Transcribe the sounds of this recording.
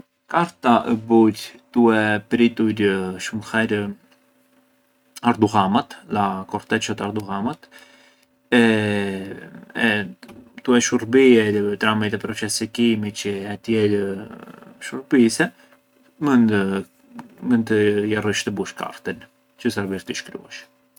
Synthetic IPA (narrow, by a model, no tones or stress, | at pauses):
kaɾt̪aʔɛbuɾt̪uɛpɾit̪uɾʃumxɛɾ | aɾd̪uhamat̪lakɔɾt̪ɛt͡ʃɔt̪aɾd̪uɦamat̪ | ɛ | ɛt̪uɛʃuɾbiɛt̪ɾamit̪ɛpɾɔt͡ʃɛsɛkimit͡ʃəɛt̪jɛl | ʃuɾbisɛ | mən | mənt̪əjarɔʃt̪əbuʃka̰ɾt̪ən | t͡ʃəsaɾviɾt̪iʃkɾṵɛʃ